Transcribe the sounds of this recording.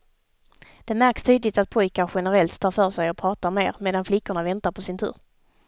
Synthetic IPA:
d̪̥ɛmæɾkst̪ʰyːd̪lɪt̪at̪̚pʰɔjkaɾɧɛnəɾɛlt̪ʰːɑːɾfœːʂɛjɔpʰɾɑːt̪amḛːɾmeːd̪anflɪkːʊɳavɛnt̪aɾpʰɔsɪnt̪ʰʉ̰ːɾ

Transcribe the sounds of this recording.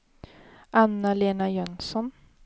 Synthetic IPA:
ʔanːaleːnajœnsɔn

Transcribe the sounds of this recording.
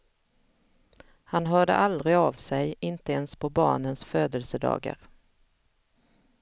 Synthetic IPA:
hanɦœːɖə̰ʔald̪ɾɪavsɛjɪnt̪əɛnspʰɔbɑ̰ːɳənsføːd̪əlsəd̪ɑ̰ːɡa̰ɾ

